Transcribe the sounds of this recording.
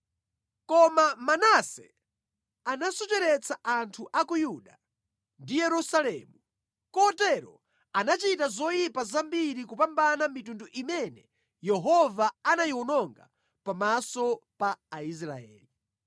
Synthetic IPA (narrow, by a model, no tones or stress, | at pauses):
kɔmamanasɛ̰ | anasutɛɾɛt͡sʰaʔantʰuʔakujuɗa | ndijɛɾusalɛmu | kɔtɛɾɔ̰ | anat͡ʃitazɔjipazambiɾikupambanamitunduʔimɛnɛ | jɛɦɔvaanajiwunɔŋɡa̰ | pamasɔpaːis̬ɾaɛ̰ːli